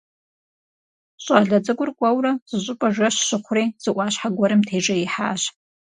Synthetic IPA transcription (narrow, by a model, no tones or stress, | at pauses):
ɕʷʼaɮad͡zɨɡʷʊrkʷʼawraz̥ɨɕʷʼʊpʼaʒʷaʃʃɨχʷrejz̥ɨʔʷaʃħaɡʷaɾɨmtʰeʈ͡ʂʼaiħa̰ːʃʷ